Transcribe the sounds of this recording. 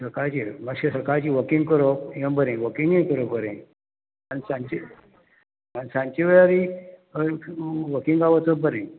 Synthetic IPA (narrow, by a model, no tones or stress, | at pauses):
səkaɾt͡ɕiməɕesəkaɾt͡ɕiʋəkiŋɡkəɾoĩə̃bəɾẽʋəkiŋɡĩkəɾobəɾḛ̃ | anisãɲt͡ɕi | anisãɲt͡ɕiʋəjaɾi | ʋəkĩŋɡaʋət͡sobəɾẽ